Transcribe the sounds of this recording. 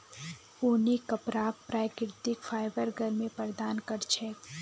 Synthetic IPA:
uːnikɐpɾaːk̚pɾaːɪkɪɾt̪ɪkfaːɪbəɾɡʱəɾmẽpəɾd̪aːnkɐɾt͡ʃʰɛː

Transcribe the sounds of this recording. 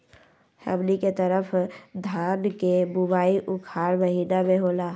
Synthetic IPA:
hɛ̰bliket̪əɾəpʰd̪ʱãːnkebubaːiʔʊkʰaːɾbəɦiːnameɦoːlaː

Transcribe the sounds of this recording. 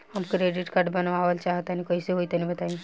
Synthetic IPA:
həmkɾeɖiʈkaɾɖbənʋaʋəlt͡ʃaɦt̪anikɔiseɦoit̪anĩbət̪aĩ

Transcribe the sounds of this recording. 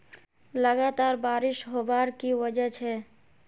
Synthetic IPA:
ləɡat̪aɾbaɾɪʃɦobaɾkiʋəd͡ʒət͡ʃʰɛ

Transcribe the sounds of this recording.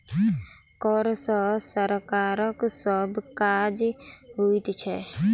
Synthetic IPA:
kɔɾsəsəɾkaːɾəksəbkad͡ʒɦuit̪t͡ʃʰɛ

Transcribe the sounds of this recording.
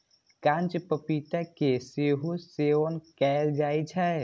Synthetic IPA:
kãnt͡ʃpəpit̪akeseɦoseonkɛld͡ʒaːit͡ʃʰɛ

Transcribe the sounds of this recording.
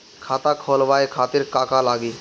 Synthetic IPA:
kʰat̪akʰɔlbaekʰat̪iɾkakalaɡi

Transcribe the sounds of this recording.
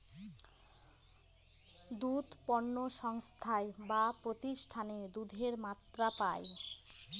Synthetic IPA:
d̪ud̪pɔɾnːoʃɔŋst̪ʰaebapɾot̪iʃʈʰaned̪ud̪ʱeɾmat̪ːɾapae

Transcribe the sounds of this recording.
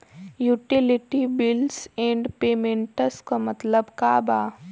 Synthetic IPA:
juːʈilɪʈibɪlsẽːɳɖpeːmẽɳʈəskamɐt̪ləbkaːbaː

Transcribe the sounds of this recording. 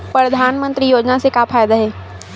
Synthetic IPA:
pɾɐd̪ʱaːnmə̃nt̪ɾijoːd͡ʒnasekaːpʰaːjd̪aɦɛː

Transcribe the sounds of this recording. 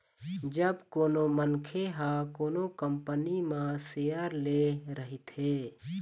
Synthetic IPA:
d͡ʒəbkoːnomənkʰeɦakoːnokəmpənimãsejəɾleɾəɦit̪eː

